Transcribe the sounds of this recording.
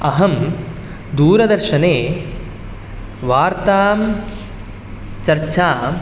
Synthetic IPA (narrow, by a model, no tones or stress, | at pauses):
ɐɦɐm | d̪uːɾɐd̪ɐɾʃɐneː | ʋaːɾt̪aːm | t͡ʃɐɾt͡ʃaː